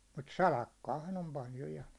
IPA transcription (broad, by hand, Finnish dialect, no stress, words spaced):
mut sɑlɑkːɑːhɑn om pɑljo jɑ